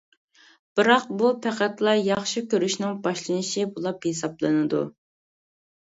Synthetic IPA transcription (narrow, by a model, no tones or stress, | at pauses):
b̥ɨɾɑq̚bupʰæqæt̪lˠɑjɑχʃikʲʰøɾyʃnɨŋbɑʃlˠɨnɨʃibulˠɑphesɑblˠɨnɨd̪ṵ